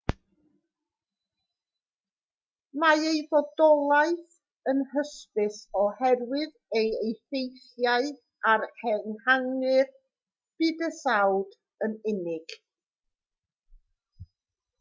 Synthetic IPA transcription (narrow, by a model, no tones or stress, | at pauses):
maejðɔdɔlˠaɨθ | ənhəspɪsɔhɛrwɪð | ejejθejθjaɨ | aɾkʰɛnhaŋɨr | b̥ɨːdəsawd | ənɪnɪɡ̥